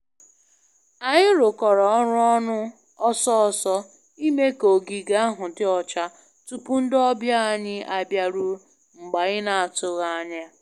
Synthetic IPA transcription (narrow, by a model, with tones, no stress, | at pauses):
a˨ɲɪ˦ɾʊ˨kɔ˨ɾɔ˨ɔ˦ɾʊ˦ɔ˦nʊ˦ | ɔ˦sɔ˦ɔ˨sɔ˦ | i˦me˦ko˨ɡi˨ɡa˦a˦ɦʊ˨dɪ˦ɔ˨t͡ʃa˦ | tu˦pu˦n̩˦dɔ˦bja˦a˨ɲɪ˦ʔa˨bja˦ɾu˦ | ŋ͡m̩˨ɡ͡ba˨ɣɪ˦na˨a˨tʊ˨ɣa˦a˦ɲa˦